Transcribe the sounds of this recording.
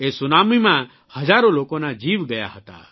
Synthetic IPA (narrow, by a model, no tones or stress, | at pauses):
esunamimã | hɔd͡ʒaɾɔlokɔnad͡ʒiʋɡəja̰ɦɔt̪a̰